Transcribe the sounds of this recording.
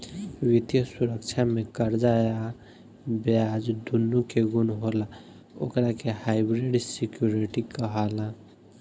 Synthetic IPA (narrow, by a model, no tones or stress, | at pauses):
wit̪jəsuɾəkt͡ʃʰamekəɾd͡ʒaja | bjad͡ʒd̪ʱunːukeɡunɦola | o̰kɾakehajbɾeɖsikjuɾiʈikəɦala